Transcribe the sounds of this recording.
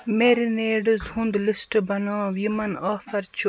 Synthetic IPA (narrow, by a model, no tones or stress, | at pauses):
meːɾineːɖɨzhũnd̪lisʈbɐnãːʋjimɐnaːfɐɾt͡ʃʰu